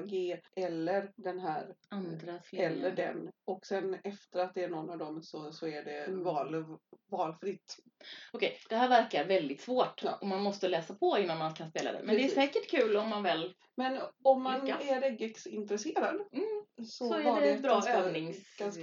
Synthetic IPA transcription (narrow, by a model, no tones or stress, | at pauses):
ɡeːʔɛlːəɾɖ̪ɛnɦæːɾand̪ɾaslɛlːəɖɛ̰nɔksɛnɛft̪əɾat̪̚d̪ɛːɳɔnːavd̪ɔmsɔsɔæɖɛvɑːlvɑːlfɾɪt̪ː | ɔkʰɛjd̪̥ɛɦæːɾvæɾkaɾvɛld̪ɪt̪svoːʈɔmanmɔst̪əlɛːsapʰɔɪnːanmankʰanspeːla̰d̪ɛ̰mɛnd̪ɛæssɛːkəʈkʰʉ̟ːlɔmːanvɛl | mɛnɔmːanaæɾɛɡɛksɪnt̪ɾɛseːɾad̪sɔsɔaɖɛɛbɾɑːøɛːvnɪŋkan